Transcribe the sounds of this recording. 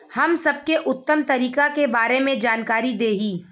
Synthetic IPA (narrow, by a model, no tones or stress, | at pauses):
hɐmsɐb̚keʔʊt̪ːəmt̪ɐɾiːkakebaːɾemẽd͡ʒaːnkaːɾid̪eːɦiː